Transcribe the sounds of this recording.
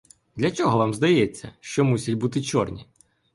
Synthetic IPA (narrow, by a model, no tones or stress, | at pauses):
d̪lʲɐt͡ʃɔɦɔʋamzd̪ɐjɛt͡sʲːɐʃt͡ʃɔmusʲɐtʲbut̪ɪt͡ʃɔrnʲi